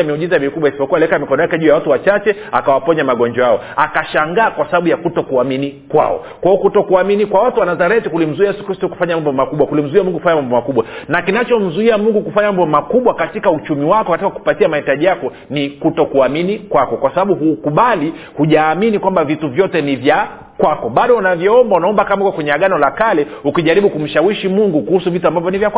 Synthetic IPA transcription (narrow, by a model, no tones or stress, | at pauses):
mɛuʄizamikuɓwaisi̥pɔkuwalɛkamikɔnɔjakɛʄuːjawatuwat͡ʃat͡ʃɛakawapɔɲamaɠɔnd͡ʒɔaɔ | akaʃaŋɡaːkwasaɓaɓujakutɔkuaminikwa̰ɔ̰ | kwaɔkutɔkuaminikwawatuwanazaɾɛtikulim̩zuiajɛsu̥kɾistuku̥faɲamambɔmakuɓwakulim̩zuiamuŋɡukufaɲamambɔmakuɓwanakinat͡ʃɔm̩zuiamuŋɡukufaɲamambɔmakuɓwakatikaut͡ʃumiwakɔkatikaku̥patiamahitaʄijakɔ | nikutɔkuaminikwakɔkwasaɓaɓuɦukuɓali | huʄaːminikwambavituvjɔtɛnivja | kwakɔɓaɗɔunavjɔɔmbaunaɔmbakamaikɔkwɛɲɛaɠanɔlakalɛukiʄaɾiɓukum̩ʃawiʃimuŋɡukuhusuvituambavjɔnivjaka